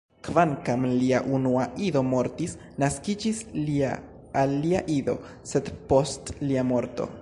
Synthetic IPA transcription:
kvaŋkamliaʔunuaʔiðo̞mo̞ɾtis | naskid͡ʒislia̰ | alːiaʔido̞ | se̞d̪po̞stliamo̞ɾto̞̰

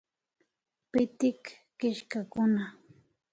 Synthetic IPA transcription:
pɪt̪ɪkː | ɪʃkakʊna

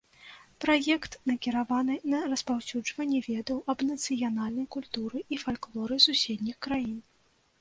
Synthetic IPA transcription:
pɾajɛkt̪nɐkʲiɾavanɨnɐrɐspawsʲud͡ʐvɐnʲːivʲɛd̪ɐwʔɐbnɐt̪sɨjanalʲnɐjkulʲt̪uɾɨʔifalʲklˠɔɾɨsusʲed̪ʲnʲixkɾajin

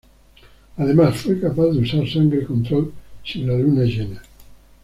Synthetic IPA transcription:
aðemasfwekapaθðeusaɾsaŋɡɾekont̪ɾolsinlalunaeʒene

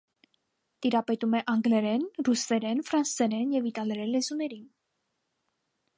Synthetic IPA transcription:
t̪iɾapɛt̪umɛʔɑŋɡlɛɾɛnrusɛɾɛnfɾansɛɾɛnjɛvit̪ɑlɛɾɛlːɛzunɛɾin

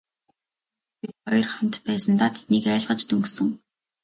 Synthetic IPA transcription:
pit̪χɔjɞ̆rχamt̪pæːsə̆nt̪aːt̪ʰe̥t̪niːkæːɮʁə̆t͡ɕt̪ɵŋksɵ̆ŋ

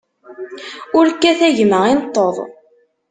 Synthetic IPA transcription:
ʊɾkːæθæʝməinət̪ˤːoðˤ

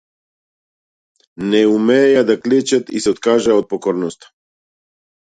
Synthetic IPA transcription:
nɛumɛjad̪aklet͡ʃat̪ḭsɛot̪kaːʒaot̪̚pokoɾnost̪ḁ

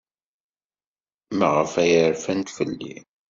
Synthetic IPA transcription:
mæʁəfæjəɾfænt̪fəlːḭ

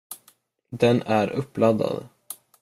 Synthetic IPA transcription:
d̪ɛnæɾʔɵpːlad̪ːa̰d̪

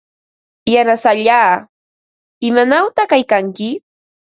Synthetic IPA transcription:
janasaʎaː | ɪmanawt̪aχkajkaŋkɪ

